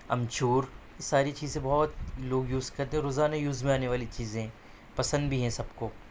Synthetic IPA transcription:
ɐ̰̃mt͡ʃuːɾ | ɪsaːɾit͡ʃiːzẽbɔɦt̪loːɡjuːzkɐɾt̪ẽɦɛɾoːzaːnajuːzmẽaːneʋaːlit͡ʃiːzẽɦɛ̃ | pɐsə̃nd̪bʱiɦɛ̃sɐbko

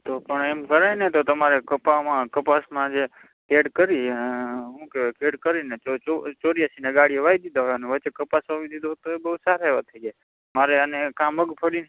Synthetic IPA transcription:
t̪opəɳemkəɾajnet̪ot̪əmaɾekəpamãkəpasmãd͡ʒe | keɖkəɾi | ɦũkekeɽkəɾineoot͡ʃoɽijasineɡaɽieʋaid̪id̪aɦoaneʋəːt͡ʃekəpasʋãʋĩd̪id̪oɦt̪oebəɦusaɾɦeʋat̪ʰəiɡa | maɾeənekãməɡpʰəɽin

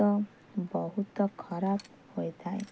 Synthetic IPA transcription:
ɔ | bɔɦut̪ɔkʰɔɾab | hojd̪ʰʱaj̰

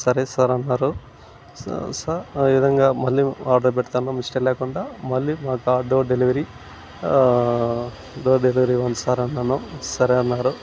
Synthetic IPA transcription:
sɐɾesaːɾɐnːaːɾu | sɐeʋid̪ʱɐŋɡaːmɐlːiːaːɾɖɐɾpɛʈt̪aːnomisʈɐlɛːkuɳɖaːmɐɭːiːmaːkuaːɖoːɖeliʋɐɾiː | ɖoːɖeliʋɐɾiːʋɐnsaːɾɐnːaːnusɐɾeɐnːaːɾu

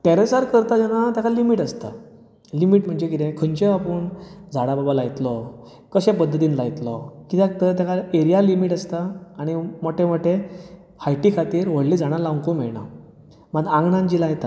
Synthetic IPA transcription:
teɾesaɾkəɾt̪ad͡ʑanat̪jakalimiʈəst̪a̰ | limiːʈm̤əɳd͡ʑekit̪ẽkʰənt͡ɕeapəɳd͡zʱaɽababalajt̪lɔ | kəɕẽpəd̪ʱːət̪iːnlajt̪lɔkit̪et̪ət̪jakaeɾijalimiʈəst̪aːɽ̃imoʈʰẽmoʈʰːe | hajʈikʰat̪iːɾʋəɽliːd͡zaɽ̃alawŋkumeɭɳa̰ | maɡãŋɡɳãnd͡ʑilajt̪a

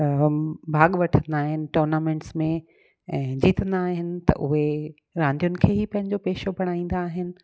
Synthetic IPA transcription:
bʱaːɠʋɐʈʰə̃nd̪aːɦɪnɪ̆ʈoːɾnaːmẽːɳʈsmẽ | ɛ̃ːd͡ʑiːt̪ə̃nd̪aːɦɪnɪ̆t̪ɐ̰ʔʊɦe | ɾãːnd̪ijʊnɪ̆kʰeːɦipɐ̃ɦɪ̃ɲd͡ʑopeːʃobɐɽ̃aːĩːn̆d̪aːɦɪnɪ̆

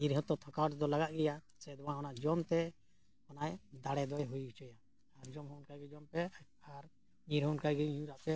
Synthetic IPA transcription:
ɲiɾɦət̪ɔt̪ʰɔkawʈsd̪ɔlaɡaʔ̪̚ɡɛja | sɛd̪ɔwãɔnaʔd͡ʒɔnt̪ɛ | ɔnajd̪aɽɛd̪ɔjɦujɡit͡ʃɔja | aɾd͡ʒɔmɦunkaɡɛd͡ʒɔmpɛ | aɾ | ɲiɾɦɔnkajɡɛũɾaʔpɛ

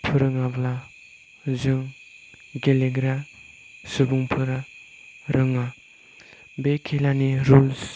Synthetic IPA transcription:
pʰɯɾɯŋabla | zɯŋ | ɡeleɡɾa | sɯbuŋpʰɯɾa | ɾɯŋa | bekʰelaniɾul

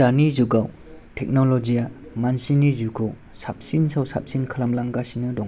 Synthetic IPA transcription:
anizuɡaw | tʰɛk̚nɔlɔd͡ʒijamansinizukʰɯw | sap̚sinsawsa̰p̚sinkʰɐlamlaŋɡasinɯdɔŋ

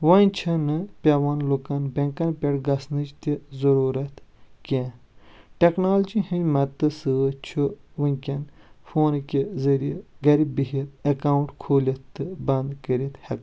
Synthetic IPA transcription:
ʋanʲt͡ʃʰɐnɨpʲɐʋanlukɐnbɐŋkɐnpʲeʈɡɐsnɨt͡ʃt̪izɐɾuːɾɐt̪kʲẽː | ʈeknaːld͡ʒihɨnʲmɐt̪ːɨsɨʋɐt͡ʃʰuʋɨnʲkʲɐnfoːnkʲizɐɾieɡɐɾibiɦit̪ɐkaːwuɳʈkʰoːlʲɐt̪ːɨbɐnd̪kəɾit̪hɐk

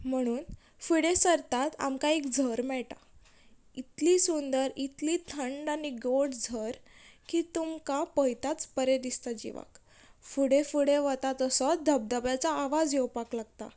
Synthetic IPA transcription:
m̤əɽ̃uːn | fuɽesəɾt̪at̪a̰mkaekd͡zʱəɾmɛɭʈa̰ | it̪liːsund̪əɾit̪liːt̪ʰəɳɖaniɡoɽd͡zʱəɾkiːt̪umkapəjt̪at͡spəɾed̪ist̪ad͡ʑḭʋa̰k | fuɽefuɽeʋət̪at̪əsɔd̪ʱəb̚d̪əbjat͡saːʋad͡zjewpaklaɡt̪a̰

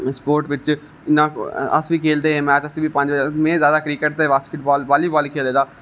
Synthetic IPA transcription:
spoːɾʈʋɪt͡ʃ | ɪnãːəsʋiːkʰeːld̪eːɦẽːmɛːt͡ʃəsĩːbiːpə̃ɲd͡ʒəmɛ̃ːzjaːd̪aːkɾiːkəʈ̚t̪eːʋaskʰɪʈbɔːlbaːliːbɔːliːkʰeːld̪eːd̪aː

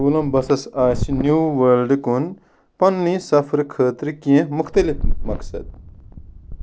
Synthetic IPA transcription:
ulɐmbɐsɐsaːsinjuːʋɐlɖkun | pɐnːĩsɐfʰɾkʰəːt̪ɾikiẽmʊxt̪ɐlifmɐksɐ̰d̪̚

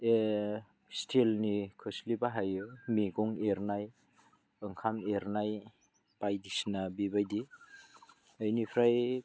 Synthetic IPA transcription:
e | stʰelnikʰɯslibaɦajɯmiɡɔŋeɾnaj | ɯŋkʰameɾnaj | pajdisnabibajdi | ajnipʰɾaj

